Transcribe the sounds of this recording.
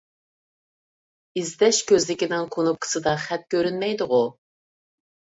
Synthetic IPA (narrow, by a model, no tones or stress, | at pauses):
izd̪ɛʃkʲøzlɪkʲinɪŋqʰonup̚qʰə̥sɨd̪ɑχɛt̪̚kʲʰøɾynmɛjd̪ʊʁʊ